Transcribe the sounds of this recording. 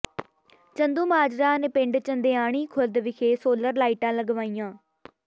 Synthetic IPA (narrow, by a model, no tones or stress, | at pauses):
t͡ʃənd̪ũːmɦaːd͡ʒɾãːneːpɪ̃ɳɖt͡ʃənd̪eːaːɳ̃iːkʰʊld̪ʋɪkʰeːsoːləɾlaːiːʈãːləɡʋaːiːjãː